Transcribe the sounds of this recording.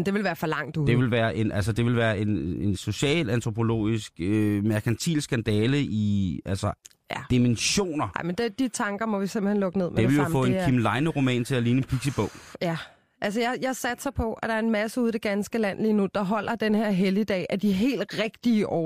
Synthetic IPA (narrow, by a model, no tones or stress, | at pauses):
nd̥e̝ʋe̝lʋæːɐfɒ̽lɑ̈ŋ̰d̥ud̥e̝ʋe̝lʋæːɐʔe̝nʔælsəd̥e̝ʋe̝lʋæːɐe̝nenso̝ɕɛ̰ːlænt͡sʰʁo̝pʰo̝lo̝̰ːisɡ̥ømæɐkʰænt͡sʰḭːlsɡ̥ænd̥ɛːləʔiælsɐ | jæd̥imenɕo̝̰ːnɐjɑɪmənd̥ed̥it͡sʰɑ̈ŋɡ̥ɐmɒ̽ʋisemb̥lhenlɔ̽ɡ̥əne̝ð̰ˠmee̝ʋe̝jofɔ̰̽ːenkʰimlɑ̈ɪnəʁo̝mɛ̰ːnt͡sʰe̝æliːnəenpʰiɡ̥sib̥ɔʊ̰jæ | ʔæls̬əjajɑ̈sæd̥sɑɪpʰɒ̽ʔæɾ̥ɑ̈ɐe̝nmæsəuð̰ˠid̥e̝ɡ̥ænsɡ̥əlæn̰liːnud̥ɑ̈ɦɒ̽l̰ɐd̥enheɐ̰ɦeliəd̥ɛ̰ːʔæd̥iɦe̝̰ːld̥ʁeɡ̥̚d̥iəʔɒ̰ː